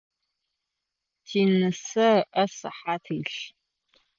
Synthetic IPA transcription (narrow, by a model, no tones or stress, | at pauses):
tʰiːnɨsɐʔɐsɐ̰ħaːtʰɨːɬ